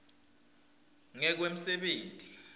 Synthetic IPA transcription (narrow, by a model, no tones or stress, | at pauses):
ŋɛk̬wem̩sɛɓeːntʼi